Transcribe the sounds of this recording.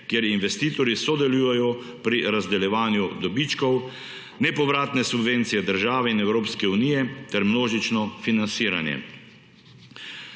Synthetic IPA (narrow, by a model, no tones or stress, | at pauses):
kjeɾinʋɛst̪iːt̪ɔɾisɔd̪ɛluːjɛjɔ | pɾiɾazd̪ɛljɛʋaːnjud̪ɔbit͡ʃkɔw | nɛpɔʋɾaːt̪nɛsubʋent̪sijɛd̪əɾʒaːʋɛinɛwɾoːpskɛunijɛt̪ɛɾmnoːʒit͡ʃnɔfinansiːɾa̰njɛ̰